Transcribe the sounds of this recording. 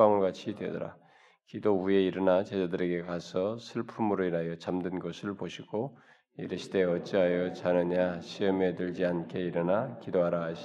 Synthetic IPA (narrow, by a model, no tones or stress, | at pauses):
aŋʌɭɡat͡ɕʰidwedʌɾa̰ | kidoue̞iɾɯnat͡ɕed͡ʑadɯɾe̞ɡe̞kasʰʌsʰɯɭpʰumɯɾoiɾajʌt͡ɕamdɯnɡʌsʰɯɭpoɕʰiɡ̥o | jeɾeɕʰi̥de̞ʌt͡ɕ͈iɦajʌt͡ɕanɯɲaɕʰiʌmedɯʎd͡ʑiankʰe̞iɾɯnakidoaɾaɦaɕʰ